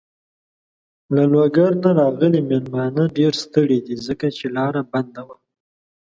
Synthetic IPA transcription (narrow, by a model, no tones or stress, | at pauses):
lalwaɡaɾnaɾɑɣəlimelmɑnaɖeɾst̪əɽed̪izəkat͡ʃelɑɾaband̪awa